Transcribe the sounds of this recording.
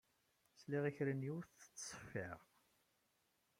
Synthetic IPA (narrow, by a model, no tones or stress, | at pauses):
sliʁiçɾənjuɾθθə̥t͡sːsˤə̥fḭʁ